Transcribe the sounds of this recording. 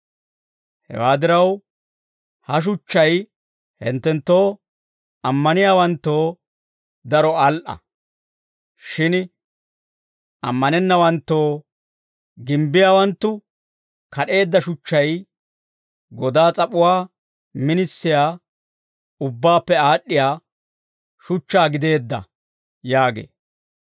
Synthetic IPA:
hɛ̰waːd̪ɪɾɐw | hɐʃ̬ʊt͡ʃːɐj | hɪ̰nt̪ːɛnt̪ːo̞ː | ɐmːɐnɪjaːwɐnt̪ːo̞ː | d̪ɐɾɔɐlʔɐ̰ | ʃɪn | ʔɐ̰mːɐnɛnːɐwɐnt̪ːo̞ː | ɡɪmbɪjaːwɐnt̪ːʊ | kɐɗe̞ːd̪ːɐʃʊt͡ʃːɐj | ɡɔd̪aːt͡sʼɐpʼʊwaː | mɪnɪsːɪjaː | ʊbːaːpːɛaːɗːɪjaː | ʃʊt͡ʃːaːɡɪd̪e̞ːd̪ːɐ̰ | jaːɡḛː

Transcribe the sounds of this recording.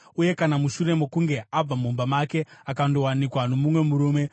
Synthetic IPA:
uje̞kanamuʃuɾe̞mo̞kuŋɡe̞ʔab͡vamumbamake̞akando̞wanikwano̞mumwe̞muɾuːme̞

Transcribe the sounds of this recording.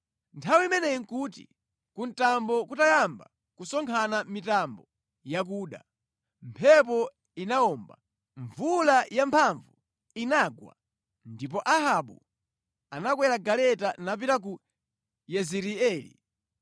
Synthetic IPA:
ntʰawiimɛnɛjiŋkutḭ | kun̩tambɔkutajamba̰ | kusɔŋkʰanamitambɔ | jak̬uːɗa̰ | mpʰɛp̬ɔ | inaɔmba | ɱvulajampʰaɱvu | inaɡwa̰ | ndipɔʔaɦaɓu | anakwɛɾaɡalɛtanap̬iɾak̬u | jɛziɾiɛːlḭ

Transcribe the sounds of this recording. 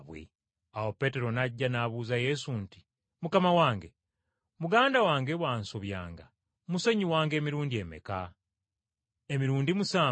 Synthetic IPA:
βwḛ | awo̞pe̞ːte̞ɾo̞naɟːanaβuːzaje̞sunti̥ | mukamawaːŋɡe̞ | muɡaːndawaːŋɡeβwaːnsoβja̰ːŋɡa | muse̞ɲiwaːŋɡe̞ːmiɾuːndie̞me̞̰ka | emiɾuːndimusaː

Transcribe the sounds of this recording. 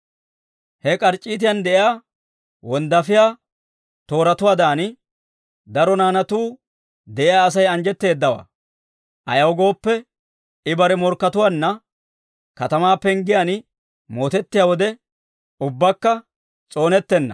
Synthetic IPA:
hɛkʼɐɾt͡ʃʼːiːt̪ɪjɐnd̪ɛʔɪjaː | wɔnd̪ɐfɪjaː | t̪o̞ːɾɐt̪ʊwaːd̪aːn | d̪ɐɾɔnaːnɐt̪uː | d̪ɛʔɪjaːs̬ɐjɐnd͡ʒɛt̪ːe̞ːd̪ːɐwa̰ː | ʔɐ̰jɐwɡo̞ːpːɛ | ɪbɐɾɛmɔɾkːɐt̪ʊwanːɐ | kɐt̪ɐmaːpːɛŋɡɪjɐn | moːt̪ɛt̪ːɪjaːwɔd̪ɛ | ʊbːɐkːɐ | t͡sʼo̞ːnɛt̪ːɛnːɐ̰

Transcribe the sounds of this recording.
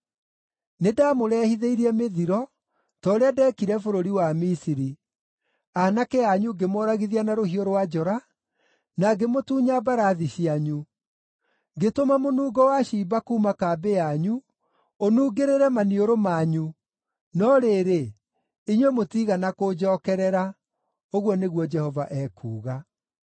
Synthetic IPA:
nedamoɾɛːhiðeiɾiɛmeðiɾɔ | tɔoɾeadɛːkiɾɛfoɾoɾiwamisiɾi | anakɛaɲuɡemɔɾaɣiðianaɾoɦioɾwad͡ʒɔɾa | naɡemotuːɲabaɾaðiɕiaɲu | ɡetomamonuːɡɔwaɕibakuːmakaːbeaɲu | onuːɡeɾeɾɛmanioɾomaːɲu | nɔɾeːɾe | iɲwɛmotiːɣanakod͡ʒɔkɛɾɛɾa | oɣwɔneɣwɔd͡ʒɛhɔvaʔɛkʰṵːɣa

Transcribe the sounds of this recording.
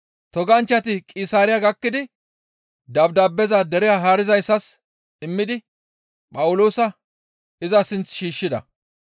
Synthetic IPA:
t̪ɔɡɐnt͡ʃːɐt̪ɪkʼiːsaːɾɪjaɡɐkːɪd̪ɪ | d̪ɐbd̪aːbːɛzɐd̪ɛɾɪjaːɦaːɾɪzɐjsːɐs | ɪmːɪd̪ɪ | pʼɐwʊlo̞ːsɐ | ɪzɐsɪnt͡sʃiːʃːɪd̪ɐ̰

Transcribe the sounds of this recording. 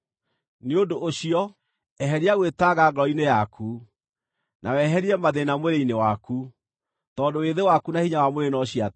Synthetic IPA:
neodoʔoɕiɔ | ɛɦɛɾiaɣwetaɣaɣɾɔinejakʰu | nʔawɛɦɛɾiɛmaðenamweɾeinewaku | tɔndoweðewakunahiɲawamoɾenɔɕia

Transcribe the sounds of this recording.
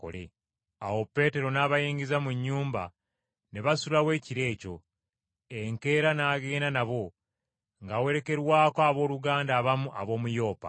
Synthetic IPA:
ko̰lḛ | awo̞pːe̞ːte̞ɾo̞naːβajeːɲɡizamuɲːuːmba | neβasulawe̞ːciɾe̞ːco̞̰ | eŋke̞ːɾanaːɡeːnanaβo̞ | ŋɡawe̞ɾe̞ke̞ɾwaːkaːβo̞ːluɡaːndaːβamuʔa̰βo̞ːmujo̞ːpa̰

